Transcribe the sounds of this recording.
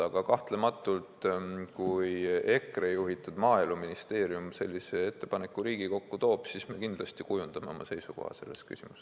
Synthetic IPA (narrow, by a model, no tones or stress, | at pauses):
ɑɡ̥ɑkɑht̪le̞mɑt̪ːˑult̪kuje̞krejuɦit̪ːˑud̪̥mɑːiluminist̪e̞ːɾjumse̞lʲːise̞e̞t̪ːe̞pɑne̞kːˑuɾiːɡiko̞kːut̪o̞ːb̥sisme̞kind̪lɑst̪ikujund̪̥ɑme̞o̞mʔɑ̰se̞jsuko̞̰hɑ̰se̞̰lːe̞̰st̪ky̰sʲimus